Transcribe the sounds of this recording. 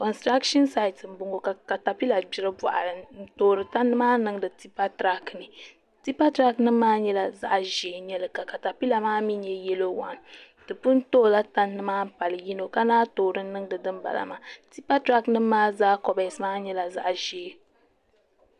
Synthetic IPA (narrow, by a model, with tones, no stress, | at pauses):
kɔ˨nstɾa˦kʃɔ˦nsa˦jtsɨ˨m̩˨bʊ˨ŋo˨ka˨ka˨ta˨pi˦la˨bi˨ɾɨ˦bɔ˨ʔa̰˨lɨ˨n̩˦toː˦ɾɨ˨ta˦nːɨ˦maː˦nɨ˦ŋ˦dɨ˨ti˦pa˦tɾa˦knɨ˨ | ti˦pa˦tɾa˦knɨ˦mːaː˦ɲɛ˦la˨za̰˦ʔʒe˨ɲɛ˦lɨ˨ka˨ka˨ta˨pi˦la˨maː˦mi˦ɲɛ˦jɛ˦lo˦wa˨n˨ | dɨ˨pu˦n˦toː˦˨la˦ta˦nːɨ˦maː˦m̩˦pa˨lɨ˨ji˦no˨ka˦naː˦toː˨ɾɨ˦n˦nɨ˦ŋ˦dɨ˨dɨ˦mba̰˨la̰˨ma˨ti˦pa˦tɾa˦knɨ˦mːaː˦zaː˦kɔ˦bɛ˨smaː˦ɲɛ˦la˨za̰˦ʔʒe˨˦